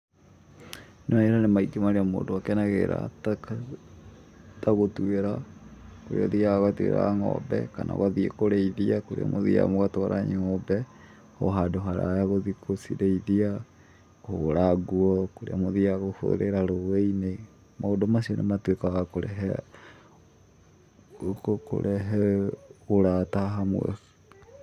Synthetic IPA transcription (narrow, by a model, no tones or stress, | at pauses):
naeɾanemaiɡemaɾeamo̰ːndoakɛnaɣeɾa̰ta | taɣotueɾakoɾḛɔðiaɣatuḛɾa̰ŋɔ̰bɛ̰kana̰ɣaðiekoɾeiðiakoɾḛa̰mʔoðia̰moɣatoaɾʔa̰ɲeŋɔbɛ | ho̰ɦadoɦaɾa̰jaɣoðikʰosiɾeiðia | hoɾaɡuɔkoɾḛamoðiaɣoho̰ɾeɾaɾoɣeine | maodomasionematwekaɣakoɾɛ̰ɦɛ | koko̰ɾʔɛɦɛ | oɾataɦamwɛ̰